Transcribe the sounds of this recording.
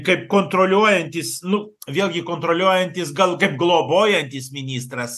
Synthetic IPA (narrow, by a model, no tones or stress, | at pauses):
kɐɪpkoːnt̪ɾoːlʲuɔjɛnʲt̪ʲɪsnʊ | ʋʲeːlˠʲɡʲɪkoːnt̪ɾoːlʲuɔjɛnʲt̪ʲɪsɡɐlˠkɐɪp̚ɡlˠoːboːjɛnʲt̪ʲismʲɪnʲiːst̪ɾɐs